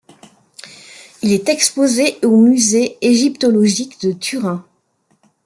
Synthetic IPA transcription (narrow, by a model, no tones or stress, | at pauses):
ilɛt̪ɛkspozeomyzeeʒipt̪ɔlɔʒikd̪ət̪ʰyʁɛ̃